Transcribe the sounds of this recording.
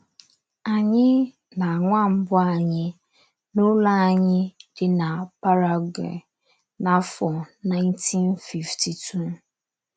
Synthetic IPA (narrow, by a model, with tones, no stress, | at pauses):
a˨ɲɪ˦ | na˨ŋʷa˦˨m̩˦bʊ˦a˨ɲɪ˦ | nu˦la˦a˨ɲɪ˦d̥ɪ˦na˨pa˦ɾa˦˨ɡɛ̰˨ | na˦fɔ˨na˦ɪ̃˦ntʰi˦nfi˨ftʰi˨tʰu˦˨